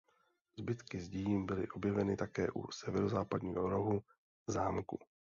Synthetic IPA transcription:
zbɪt̪kɪzɟiːjimbɪlɪʔo̞bjɛvɛnɪt̪akɛːʔṵsɛvɛɾo̞zaːpadɲiːɦoɾoɦu | zaːmkṵ

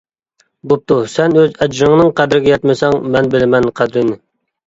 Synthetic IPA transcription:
bop̚t̪ʰusɛnøzɛd͡ʒɾɪŋnɨŋqʰæd̪ɾɪɡʲɛjɛt̪mɪsɛŋmɛnbɪlɪmɛnqʰæd̪ɾɪnɪ

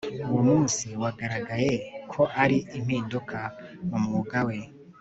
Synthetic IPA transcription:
uwomuːnsiwaɡaɾaɡaje̞kʰo̞ʔaɾiʔim̥iːndukʰamumuuɡawe̞

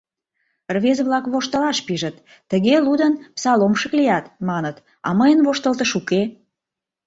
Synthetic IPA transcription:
rβezβlɑkβoʃt̪əlɑʃpiʒət̪ː | əɣelud̪ənpsɑlomʃəklijɑt̪mɑnət̪ | ɑ̰məjənβoʃt̪əlt̪əʃuke

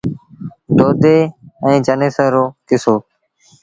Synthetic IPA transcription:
d̪oːd̪eːɛ̃ːd͡ʒəneːsəːɾoːkɪsoː

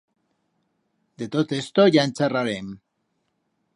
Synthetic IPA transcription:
d̪et̪ot̪est̪oʝaenseraɾem

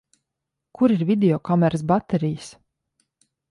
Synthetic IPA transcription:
kʰuɾiɾvʲid̪ʲeɔkamɛɾəs̬bat̪ɛɾijəs

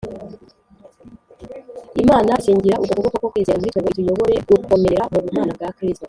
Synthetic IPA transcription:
imaːnaʃiːɲɟiɾaʔutakoɡokokokwiːzeɾamuɾitoɡotujo̞βo̞ɾe̞ɡukʰo̞me̞ɾauβumaːnabɡakɾisto

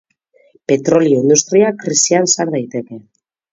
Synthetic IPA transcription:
pe̞t̪ɾo̞lioind̪ust̪ɾiakɾisiansaɾð̞ajt̪e̞ke̞

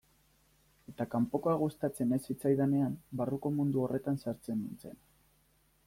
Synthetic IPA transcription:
e̞t̪akampo̞koaɣust̪at͡se̞ne̞sːit͡sajðane̞ambaruko̞mund̪uo̞re̞t̪ansaɾt͡se̞nint͡se̞n

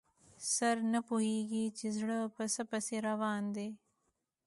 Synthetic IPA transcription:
sɐɾnɐpʊɦiːɡiːt͡ʃɪzɽəpɐsɐpɐseɾɐʋaːnd̪eː

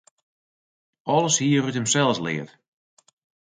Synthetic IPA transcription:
ɔlˠəshiəruthəmsɛlˠslɪ̰ːət

